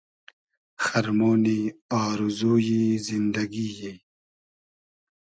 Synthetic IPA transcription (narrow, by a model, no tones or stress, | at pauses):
xɐɾmoːniaːɾuzuːjizind̪ɐɡijeː